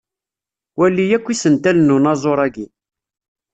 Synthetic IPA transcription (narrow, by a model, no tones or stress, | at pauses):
wælːijækʷːisənt̪ælnːunɑzˤoɾˤæɡi